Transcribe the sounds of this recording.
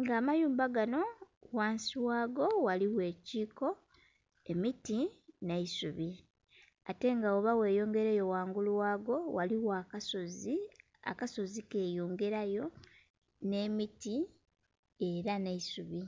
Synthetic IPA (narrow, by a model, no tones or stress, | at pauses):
ŋɡaːmajuːmbaɡano̞waːnsiwaːɡo̞waliwe̞ːciːko̞ | e̞mitinaisuβi | ate̞ŋɡaoβawe̞ːjo̞ːŋɡe̞ɾejo̞waːŋɡulwaːɡo̞waliwaːkaso̞zi | a̰kaso̞zike̞ːjoːŋɡe̞ɾajo̞ | ne̞ːmiti | e̞ɾanaisuβi